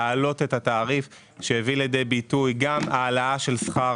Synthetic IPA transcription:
lo̞t̪e̞t̪at̪aːʁif | ʃeheviljed̪ejbitujɡamaːlaaʃe̞lsχa

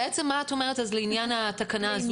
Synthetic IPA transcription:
et͡semːaːto̞me̞ʁ̞etazleinjanat̪akanaːz

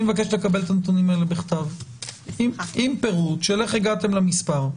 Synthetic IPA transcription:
mevak̬e̞ʃlekabe̞lt̪anot̪unimaelebeχt̪av | imimpe̞ʁut̪ʃele̞χeɡat̪e̞mlamispaʁ

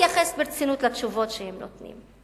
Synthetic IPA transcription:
jaχesbeʁt͡sinutlat͡ʃuvo̞tʃehemnot̪nḭm

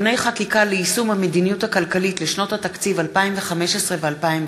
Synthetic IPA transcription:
ne̞jχakikaleisumhamedinijuthakalkalitleʃno̞thatakt͡sivalpaimveχameʃesʁevealpaim

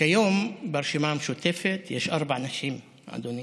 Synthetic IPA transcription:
kajombaɾʃimamʃut̪efet̪jeʃʔaɾbaʕnaʃim | ʕa̰d̪oni

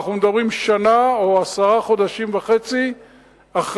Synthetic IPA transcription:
χnumed̪abʁimʃanaoasaʁaχo̞d̪aʃimveχet͡si | aχ

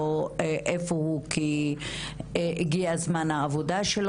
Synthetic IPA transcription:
oeʔefohuki | eeɡiazmanhaːvodaʃel

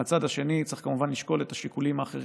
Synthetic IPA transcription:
at͡sad̪haʃe̞nit͡sʁiχkamuvanliʃko̞letaʃikulimaːχḛʁ

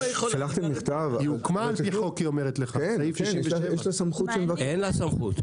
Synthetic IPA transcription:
jalaχt̪emːiχt̪avukmaːlpiχokiomeʁet̪leχaifiivjeʃlasamχut̪ʃemvakenlasamχut̪

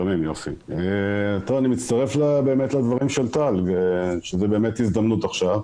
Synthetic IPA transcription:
amimjofḭet̪ovanimit̪t͡st̪aʁe̞flabe̞ːmet̪lad̪vaʁimʃelt̪alɡeʃezebe̞ːme̞t̪izd̪ɐmnut̪aχʃav

